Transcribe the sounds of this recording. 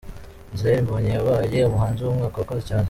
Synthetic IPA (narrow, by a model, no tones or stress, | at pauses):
nzeɾimboɲeβaajeomuɦhaːnziwomŋaːkakazicaːn